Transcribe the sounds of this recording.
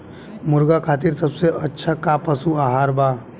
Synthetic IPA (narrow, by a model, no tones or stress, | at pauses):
mʊɾɡakʰat̪iɾsəbseʔətːʃʰakapəsuaɦaɾba